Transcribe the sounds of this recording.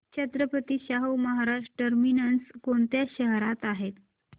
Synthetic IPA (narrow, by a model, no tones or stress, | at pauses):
t͡ɕʰət̪ɾəpət̪iːɕaɦowməɦaɾaʂʈəʈəɾminənskoɳt̪jaɕəɦɾat̪aɦet̪